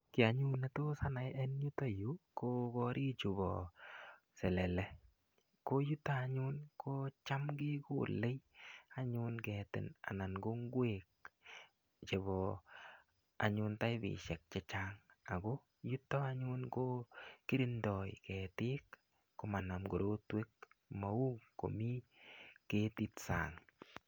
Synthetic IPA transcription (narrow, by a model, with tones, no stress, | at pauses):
kɪ˨a˨ɲu˦na˦to˦sa˦na˨jɛ˦nju˦ta˦ju˦ko˦kɔɾʔi˦t͡ʃu˨bɔ̰ | sɛ˨lɛ˨lɛ˨ | ko˦ju˦tːaːɲu˦nkoː˦t͡ʃa˦mɡɪ˦ko̰le˦jaɲʊnkɛtɪ̰˨na̰˨na˨nɡo˦ŋɡwek̚ | t͡ʃe˨bɔ˨ | a̰˨ɲʊ˦nta˦jbɪ̰˨ʃɛ˨k̚t͡ʃɛ˦t͡ʃaŋa˨ɡo˦ | ju˦tɔ˦a˦ɲʊ˦nko˦ki˦ɾi˦ndɔ˨jkɛ˨tɪ˦kː | o˨ma˨na˨mɡo˨ɾo˦twe˦kma˨u˦ŋko̰˨mi˦ke˦ti˦tsa̰˨ŋ